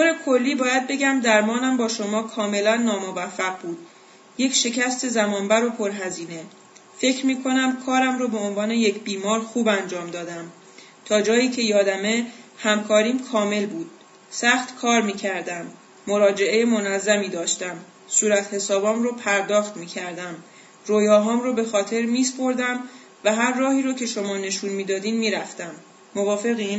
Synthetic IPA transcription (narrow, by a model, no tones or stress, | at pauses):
t̪ʰoɾe̞kʰo̞lːiːbɒːjæd̪̚be̞ɟæmd̪æɾmɒːnæmbɒːʃo̞mɒːkʰɒːme̞lænːɒːmovæfːæʁbuːd̪̥ | je̞cʰʃe̞cʰæst̪e̞zæmɒːnbæɾopʰo̞ɾɦæziːne̞ | fe̞cʰɾmiːkʰo̞næmkʰɒːɾæmɾoːbe̞onvɒːne̞je̞cʰbiːmɒːɾxuːbænd͡ʒɒːmd̪ɒːd̪æm | t̪ʰɒːd͡ʒɒːjiːcʰe̞jɒːd̪æme̞hæmkʰɒːɾiːmkʰɒːme̞lbuːd̪̥̚ | sæxt̪kʰɒːɾmiːcʰæɾd̪æmː | oɾɒːd͡ʒe̞ʔe̞jemonæzːæmiːd̪ɒːʃt̪æm | suːɾæt̪he̞sɒːbɒːmroːpʰæɾd̪ɒːxt̪miːcʰæɾd̪æm | rojɒːɦɒːmɾoːbe̞xɒːt̪ʰe̞ɾmiːspo̞ɾd̪æm | væɦæɾːɒːhiːɾɒːcʰe̞ʃo̞mɒːne̞ʃuːnmiːd̪ɒːd̪iːnmiːɾæft̪æmː | ovɒːfe̞ɣin